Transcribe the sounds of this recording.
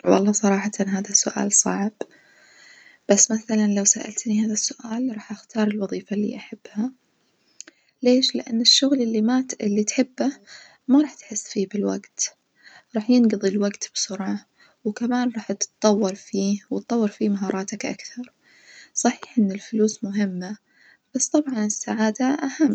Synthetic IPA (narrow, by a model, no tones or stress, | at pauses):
wɑ̰lˤːɑːsˤɑɾˤɑːħat̪anɦaːðasːʊʔa̰ːlsˤɑ̰ʕb̥ | b̥asːmaθalanlawsaʔa̰lt̪nihaːðasːʊʔaːlɾˤɑːħʔaxt̪ɑːɾˤɪlwɑðˤiːfalːḭʔaħab̥ːha | leːʃlɪ̰ʔa̰nːɪʃːʊɣlɪlːimaːt̪ɪlːit̪ħɪbːa | maɾˤɑːħt̪ħɪsːfiːbɪlwa̰ɡt̪ | ɾˤɑːħjɪnɡɑðˤilwaɡt̪b̥sʊɾʕɑ | wkamaːnɾˤɑːħt̪t̪ˤːɑwːɑɾˤfiːwɪt̪ˤːɑwːɑɾˤfimaɦɑːɾˤɑːt̪akʔa̰kθɑɾˤ | sˤɑħiːħʔɪnːɪlfʊluːsmʊɦɪmːa | b̥ast̪ˤɑbʕɑnɪsːaʕaːd̪aʔahamː